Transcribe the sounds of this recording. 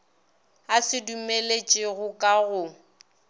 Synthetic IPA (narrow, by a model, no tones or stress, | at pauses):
asɪdumelet͡ʃʼɪɣʊkʼaɣʊ